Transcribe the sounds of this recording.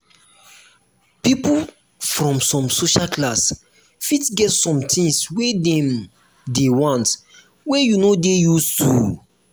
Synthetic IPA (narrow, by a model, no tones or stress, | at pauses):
pipu | fɹɔ̃msɔ̃msoʃalklas | fitɡɛtsɔ̃mtʰĩŋswedɛ̃m | dewɔ̃nt | wejunodejustṵ